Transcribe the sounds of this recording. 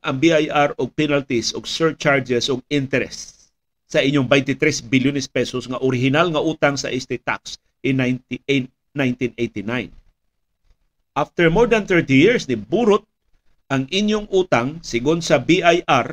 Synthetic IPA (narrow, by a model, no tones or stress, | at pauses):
ʔɐŋbiajʔaɾoɡ̚pɛnalt̪isoɡsɛɹt͡ʃaɹd͡ʒɛsoɡ̚ɪnt̪ɛɾɛsː | ɐʔɪɲjoŋbajnt̪ɪt̪ɾɛsbiljʊnɛspɛsosŋɐʔoɾɪɦɪnalŋɐʔuːt̪aŋsɐ̰ʔɪst̪ɪt̪a̰ks | ʔɪn | najnt̪inejt̪ɪnajn | ʔaft̪ɛɹmoɹd̪anθɛɹt̪ijɪɹsnɪbuːɾʊt̪̚ | ɐŋʔɪɲjoŋʔuːt̪aŋsɪɡʊnsɐbiʔajʔaɾ